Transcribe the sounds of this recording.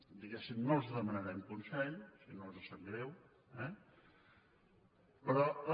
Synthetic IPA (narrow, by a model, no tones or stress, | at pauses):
d̪iɣɛsimnolˠzðəmənəɾɛmkunsɛʎsinolˠzəsɛmɡɾɛw | ɛ | pɾɔ